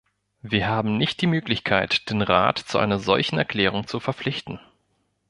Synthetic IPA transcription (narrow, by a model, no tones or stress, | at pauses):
viːɐɦaːbm̩nɪçt̚d̥iːmøːklɪçkʰaɪtd̥eːnʁa̰ːtt͡suʔa̰ɪnɐzɔ̰lçn̩ɛɐkl̥ɛːʁ̞ʊŋt͡sufɛɐp͡flɪçtn̩